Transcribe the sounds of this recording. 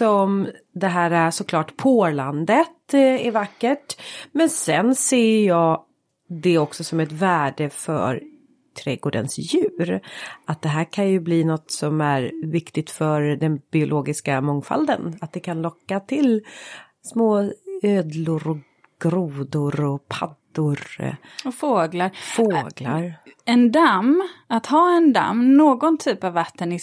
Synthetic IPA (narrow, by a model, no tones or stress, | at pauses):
sɔm | d̪ɛɦæːɾasɔkʰlɑːʈːpʰoːland̪ət̪ɛɾvakːəʈmɛnsɛnseːjɑː | d̪ɛɔksɔsɔmɛt̪væːɖəfœ̰ɾ | t̪ʰɾɛɡoːɖə̰nsjʉ̟ːɾat̪̚d̪ɛɦæːɾkʰanjɵbliːnɔt̪sɔmæɾvɪkt̪ɪt̪fœɾd̪ɛnbɪʊlʔoːɡɪskamɔŋfa̰ld̪ənat̪̚d̪ɛkʰanlɔkːat̪ʰɪl | smoːøːd̪lʊɾɔ | ɡ̥ɾuːd̪ʊɾɔpʰad̪ʊɾ | ɔfoːɡlaɾffoːɡlaɾɛnd̪amːat̪hɑːɛnd̪a̰mːnoːɡɔnt̪ʰyːpavːat̪ːənɪ